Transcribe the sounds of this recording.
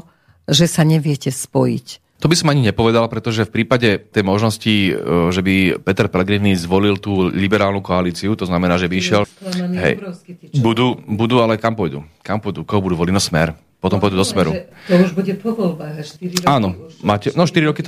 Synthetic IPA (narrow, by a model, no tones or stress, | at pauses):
ʒɛsaɲɛʋɪɛcɛspɔjḭc | t̪ɔbisɔmaɲiɲɛpɔʋɛd̪alapɾɛt̪ɔʒɛfpɾiːpaɟɛt̪ɛjmɔʒnɔsciʒɛbipɛt̪ɛɾpɛlɛɡɾiːnizʋɔlilt̪uːlibɛɾaːlnukɔaliːt͡siut̪ɔznamɛnaːʒɛbiiʃɪɛlɦɛ̰jɔʊskibud̪uːbud̪ualɛkampɔjd̪ṵkampɔjd̪ukɔɦɔbud̪uːʋɔlinɔsmɛɾ | pɔt̪ɔmpɔjd̪uːd̪ɔsmɛɾut̪ɔuʒbuɟɛpɔʋɔlbaɣʃt̪iɾaːnɔmaːcɛnɔʃt̪iɾiɾɔkit̪